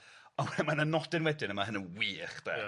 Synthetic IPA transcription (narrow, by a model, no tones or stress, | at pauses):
ɔnwɛmananɔdɪnwɛdɪnəmaɦənənwiːχd̥ɛ̰ː